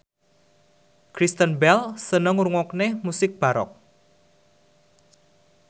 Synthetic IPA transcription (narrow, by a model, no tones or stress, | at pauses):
kɾist̪ənbɛlsənəŋuɾuŋɔknemusɪk̚b̥a̤ɾɔ̰k̚